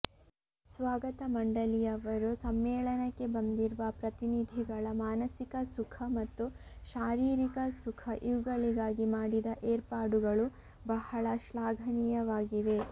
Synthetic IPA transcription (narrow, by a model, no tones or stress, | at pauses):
sʋaːɡɐt̪ɐmɐɳɖɐlijɐʋɐɾusɐmːɛːɭɐnɐkːe̞bɐnd̪iɾuʋɐpɾɐt̪inid̪ʱiɡɐɭɐmaːnɐsikɐsukʰɐmɐt̪ːuʃaːɾiːɾikɐsukʰɐʔiʋuɡɐɭiɡaːɡimaːɽid̪ɐʔeːɾpaːɖuɡɐɭu | bɐhɐɭɐʃlaːɡʱɐnijɐʋaːɡiʋe̞